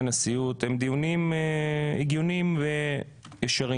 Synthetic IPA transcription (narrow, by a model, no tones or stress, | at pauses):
nasijut̪hemd̪ijunimeiɡjunimve | jeʃaʁi